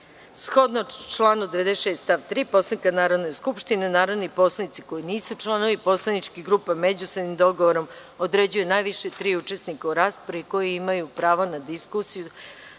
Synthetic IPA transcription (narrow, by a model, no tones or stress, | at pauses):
sxo̞d̪not͡ʃlˠaːnud̪eed̪eʃeːst̪aʋt̪ɾiːpo̞slanikanaːɾo̞d̪neskupʃt̪inenaːɾod̪nipo̞slˠanit̪si̥ko̞jiniːsut͡ʃlˠano̞ʋipo̞slˠanit͡ʃkiɡɾuːpamed͡ʑusɾd̪nimd̪o̞ɡoʋoɾo̞m | od̪ɾed͡ʑujunajʋiʃet̪ɾiːut͡ʃesnikauɾaːspoɾiko̞jiimajupɾaːʋonad̪iskusiju